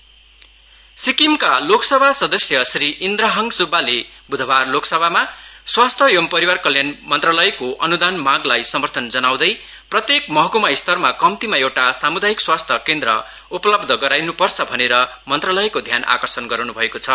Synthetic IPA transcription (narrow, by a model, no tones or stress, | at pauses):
sikimkaloksʌbʱasʌd̪ʌsjʌsriʔind̪raɦʌŋɡsubːalebud̪ʱʌbarloksʌbʱamaswast̪ʰʌjʌmpʌɾiwarkʌljanmʌnt̪rʌlʌjkoʔʌnud̪anmaɡlajsʌmʌrt̪ʰʌnd͡zʌnaw̃d̪ʌj | prʌt̪jekmʌɦkumajst̪ʌrmakʌmt̪imaewʈasamud̪ajikswast̪ʰʌkend̪ɾʌ̰ | upʌlʌbd̪ʱʌɡʌɾajnupʌrt͡sʰʌbʱʌneɾʌ | mʌnt̪rʌlʌjkod̪ʱjana̰kʌrsʌnɡʌɾnubʱʌekot͡sʰʌ